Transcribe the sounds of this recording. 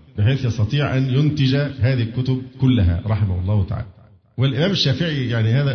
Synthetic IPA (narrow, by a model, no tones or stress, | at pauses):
bɪħeːθjɑsˤt̪ɑt̪ˤiːʕʔænjʊnt̪ɪd͡ʒæɦæːðihɪlkːʊt̪ʊb̚kʊlːæɦæ̰ɾˤɑħɪmahʊlˤːɑːhwt̪a̰ʕa̰ːlæ | wɪlʔɪmæːmɪʃːæːfɪʕijaʕnihæːðæ